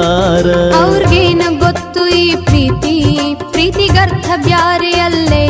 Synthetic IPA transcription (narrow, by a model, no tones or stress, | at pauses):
ɐwɾɡeːnɐɡot̪ːuiːpɾiːt̪ipɾiːt̪iɡɐɾt̪ʰɐbjaːɾejɐlːe